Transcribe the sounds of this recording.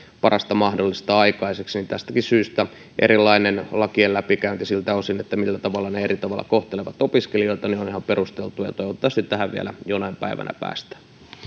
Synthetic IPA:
pɑrɑst̪ɑmɑhdolːist̪ɑɑikɑiseksnint̪æst̪ækisyːst̪æ | ʔḛɾilːˑɑinenlɑkiellæpikæynt̪isilt̪æosinet̪ːæmilːæt̪ɑʋɑlːɑneerit̪ɑʋɑlːˑɑ̰koht̪eleʋɑt̪opiskelioit̪ɑneonihɑmperust̪elt̪ujɑ̰t̪oiʋɑt̪ːɑst̪it̪t̪æhæʋʋiæ̰læ̰jonɑimpæ̰iʋæ̰nʔæ̰pæ̰ːst̪æ̥

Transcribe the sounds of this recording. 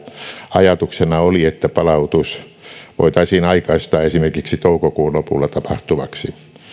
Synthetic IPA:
ɑjɑt̪uksenɑoliet̪ːæpɑlɑut̪us | ʋo̰it̪ɑisiːnɑikɑist̪ɑːesimerkiksit̪oukokuːnlopṵlːɑt̪ɑpɑht̪uʋɑksi

